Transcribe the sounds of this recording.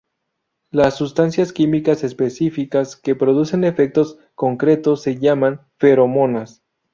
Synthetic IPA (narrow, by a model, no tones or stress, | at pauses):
lasːust̪ansjaskimikase̞spe̞sifikaske̞pɾo̞ðuse̞ne̞fek̚t̪o̞s | ko̞ŋkɾe̞t̪o̞sːe̞ʝaman | fe̞ɾo̞mo̞nas